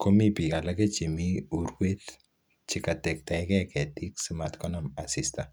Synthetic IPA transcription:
kʰo˦mi˦pi˨ka˨la˦ke˦t͡ʃe˨miuɾwe˦t | t͡ʃikatɛ˨k̚ta˨jkɛ˦kɛ˨ti˦ksimatkɔnɔma˨si˦sta˨

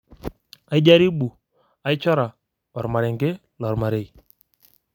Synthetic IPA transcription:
a˨i˦d͡ʒa˦ɾi˦ɓu˨ | a˨jt͡ʃɔ˦ɾa˨ | ɔ˨ɾma˨ɾɛ˨ŋɡe˦ | lɔ˨ɾma˨ɾe˨j

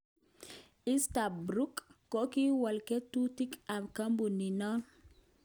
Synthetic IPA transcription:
i˦sta˨bɾu˦kːo˦ki˦wa˨lke˦tu˦ti˦ka˨bka˦mbu˨ni˨nɔ˦n

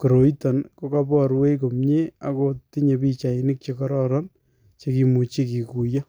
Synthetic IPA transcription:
ko˨ɾo˨i˦ta˨nko˦ka˦pɔ˦ɾwe˦ko˨mɲe˦a˨koti˦ɲe˨pi˦t͡ʃa˨i˨ni˦k̚t͡ʃe˨kɔ˦ɾɔ˦ɾɔ˦n | t͡ʃe˨ki˨mu˨t͡ʃi˦ki˨ku˨ja˦

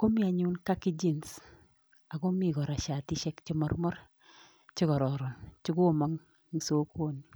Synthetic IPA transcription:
ko˦mi˦a˨ɲu˦nka˦ki˦d͡ʒi˦˨ns | a˨ko˦mi˨kɔ˨ɾa˨ʃa˨ti˦ʃɛ˦kt͡ʃi˦mɔ˦rmɔ˦r | t͡ʃɪ˦kɔ˨ɾɔ˨ɾɔ˨nt͡ʃɪ˦kʊ˦˨ma˦ŋ | ŋi˨so˦koː˦ni˨

